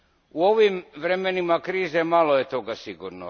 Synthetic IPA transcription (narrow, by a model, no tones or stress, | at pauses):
uo̞ʋimʋɾemenimakɾiːzemalˠoje̞t̪o̞ɡasiɡṵɾno